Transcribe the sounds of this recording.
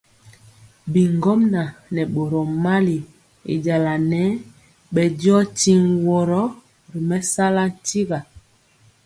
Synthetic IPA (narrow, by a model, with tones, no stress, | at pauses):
bi˨ŋɡɔ˦mna˨nɛ˨ɓo˨ɾɔ˨ma˦li˨ | ḛ˨d͡ʒa˨la˨nɛ˨˦ | ɓɛ˨djɔ˦ti˦ŋwɔ˨ɾɔ˦ | ɾi˨mɛ˦sa˦la˦n̩˨ti˦ɣa˨